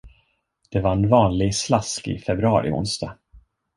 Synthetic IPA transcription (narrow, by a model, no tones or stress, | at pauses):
d̪̥ɛvaɾɛnvɑːnlɪɡslaskɪ̰fɛbɾɵɑ̰ːɾɪ̰ʊ̰nst̪ɑ̰